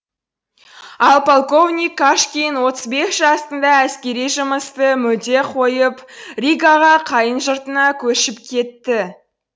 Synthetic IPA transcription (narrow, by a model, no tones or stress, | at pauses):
ɑlˠpolˠko̞vnʲijkːaʃkʲijnwo̞t̪əzbe̞sʒ̥ɑst̪ənd̪ɑæskʲe̞ɾijʒəməst̪əmʏld̪e̞qʰo̞jəprʲiɡaʁɑqʰɑjənʒəɾt̪ənɑkʲʰɵʃɪpkʲʰe̞t̪ːɪ